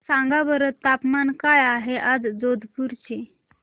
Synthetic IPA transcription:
sãŋɡabəɾətt̪ːapmankajaɦeʔad͡zd͡zod̪ʱpuɾt͡ɕe

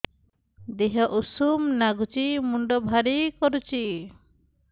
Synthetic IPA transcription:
d̪eɦɔʔusumnaɡut͡ʃimuɳɖɔbʱaɾikɔɾut͡ʃʰi

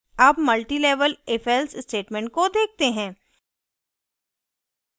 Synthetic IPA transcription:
aːpmɐlʈileːʋəleːfʰɛlsɪsʈeːʈmɛ̃ːɳʈ̚kod̪eːk̚ʰt̪eɦɛ̃ː

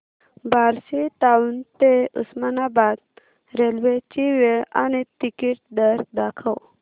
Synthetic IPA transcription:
baɾsit̪auːnt̪eṵsmanabad̪ | ɾelʋet͡ɕiʋeɭa̰ñit̪ikiʈ̚d̪əɾd̪akʰəw

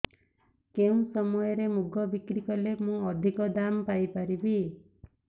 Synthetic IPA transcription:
keũsɔmɔjɔɾemuɡɔbikɾikɔlemũɔd̪ʱikɔd̪ampajpaɾibi

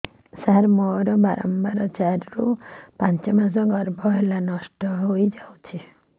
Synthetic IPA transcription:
saɾmɔɾɔbaɾɔ̰mbaɾɔt͡ʃaɾɾupant͡ʃɔmas̬ɔɡɔɾbʱɔɦelanɔsʈɔɦojd͡ʒawt͡ʃʰi

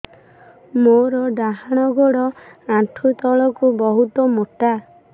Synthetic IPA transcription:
moɾɔɖaɦaɽ̃ɔɡoɽɔaʈʰut̪ɔɭɔkubɔɦut̪ɔmoʈa

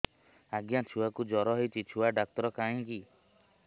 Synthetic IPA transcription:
aɡjat͡ʃʰuwakud͡ʒɔɾɔɦɔjt͡ʃʰit͡ʃʰuwaɖak̚t̪ɔɾɔkaĩki

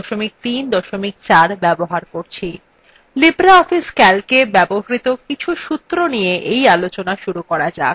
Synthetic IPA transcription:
ʃomik̚t̪ind̪ɔʃomik̚t͡ɕaɾbɛboɦaɾkoɾt͡ɕʰi | libɾaɔfiskɛlkebɛboɦɾit̪okit͡ɕʰuʃut̪ːɾonijeʔejalot͡ɕonaʃuɾukɔɾad͡ʑa̰k̚

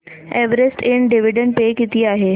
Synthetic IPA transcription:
ɛʋəɾesʈʰɪɳɖiʋiɖəɳʈ̚pekit̪iːaːɦe

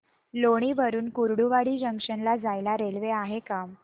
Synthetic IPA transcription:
loɽ̃iʋəɾuːnkuɾɽuʋaɽiːd͡ʑəŋkʂənlad͡zajlaɾelʋeaɦekam

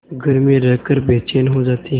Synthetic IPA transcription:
ɡəɾmĩːɾəkəɾbeːt͡ʃeːnɦozaːt̪iː

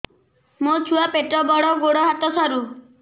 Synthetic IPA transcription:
mot͡ʃʰuwapeʈɾɔbɔɽɔɡoɽɔɦat̪ɔsɔɾu

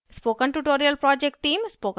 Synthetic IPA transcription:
spoːkə̃nʈuʈoːɾiəlpɾɔːd͡ʒek̚ʈːĩːmspoːk

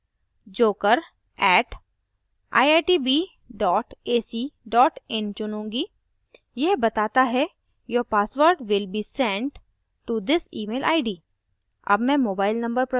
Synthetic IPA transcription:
d͡ʒoːkəɾ | ɛːʈ | ʔa̰ːɪaːʈibi | ɖɔːʈeːsiɖɔːʈɛ̃nt͡ʃʊnõːŋɡiː | jɛɦbɐt̪aːt̪aɦɛ | joːɾpaːsʋəɾɖʋɪlbiːsɛ̃ɳɖ | ʈud̪ɪsiːmeːlʔaːɪɖiː | ɐ̰bmɛ̃moːbaːɪlnɐ̃mbəɾpɾɐ

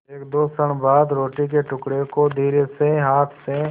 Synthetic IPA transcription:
eːk̚d̪oːsəɽ̃baːd̪ɾoːʈikeʈʊkɽekod̪ʱiːɾeseɦaːt̪ʰse

